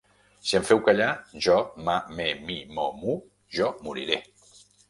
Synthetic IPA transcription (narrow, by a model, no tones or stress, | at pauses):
siəɱfɛwkaʎaʒɔmamemimɔmu | ʒɔmuɾḭɾe